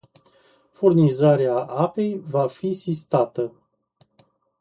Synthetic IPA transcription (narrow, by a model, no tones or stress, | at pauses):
furnizaɾeaʔape̞jvafisist̪at̪ə